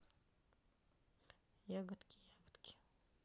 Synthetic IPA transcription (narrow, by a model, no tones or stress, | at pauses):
jaɡət̪kʲijaɡət̪kʲi̥